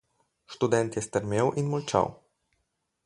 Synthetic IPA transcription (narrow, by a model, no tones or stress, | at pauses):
ʃt̪ud̪ɛnt̪jɛst̪əɾmewʔinmɔlt͡ʃa̰w